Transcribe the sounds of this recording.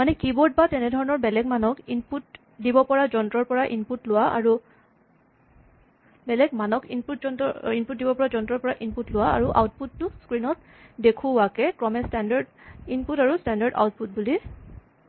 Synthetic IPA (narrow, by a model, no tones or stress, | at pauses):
manɛkibɔɹt̚batɛnɛdʱɔɹɔnɔɹbɛlɛɡmanɔkinput | dibɔpɔɹazɔntɹɔɹpɔɹaʔinputlʊwaʔa̰ɹu | bɛlɛɡmanɔkinput̚zɔntɔinput̚dibɔpɔɹazɔntɹɔɹpɔɹaʔinputlʊwaa̰ɹuʔa̰wt̚putːʊskɹinɔt | dekʰuwakɛkɹɔmɛstandaɹdinputaɹustandaɹda̰wt̚put̚buli